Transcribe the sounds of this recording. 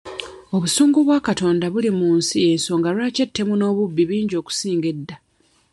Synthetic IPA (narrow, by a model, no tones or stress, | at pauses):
o̞βusuːŋɡuβwaːkato̞ːndaβulimuːnsije̞nso̞ŋɡalwaːce̞tʰːe̞muno̞ːβubːiβiːɲɟo̞ːku̥siːŋɡedːa